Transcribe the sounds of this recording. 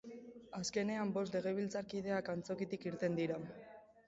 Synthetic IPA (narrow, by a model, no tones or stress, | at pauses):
aske̞ne̞ambo̞st̪le̞ɣ̞eβ̞ilt͡saɾkið̞e̞akant͡so̞kit̪ikiɾt̪e̞nd̪iɾa